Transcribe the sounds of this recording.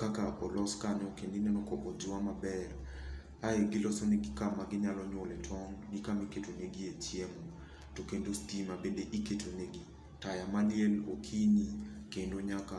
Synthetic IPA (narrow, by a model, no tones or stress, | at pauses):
kakaʔɔlɔskaɲɔkendinɛnɔkɔʔɔd͡ʒʊamabɛɾ | aeɡɪlɔsɔneɡɪkamaɡɪɲalɔɲwɔlɛtʰɔnɡikamiketoneɡiet͡ʃiɛmɔ | tokendostimabendeʔiketʰoneɡi | tajamalɪɛlokʰinikendoɲaka